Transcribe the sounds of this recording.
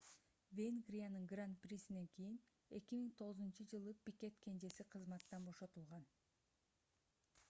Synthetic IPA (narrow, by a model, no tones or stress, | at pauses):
vʲenɡrʲijanɯŋɡrant̪̚prʲisine̞ŋkijin | e̞kʲimiŋt̪ʰo̞ʁɯzunt͡ʃɯd͡ʒɯlˠɯpʲikʲe̞t̪kʰe̞nd͡ʒe̞siqʰɯzmɑt̪ːɑnbo̞ʃo̞t̪ulˠʁɑn